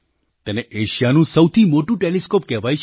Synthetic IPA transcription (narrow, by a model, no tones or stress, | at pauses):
t̪ɛneʔeʃijanũsəwt̪ʰimoʈũʈeleskop̚kɛɦʋajʃ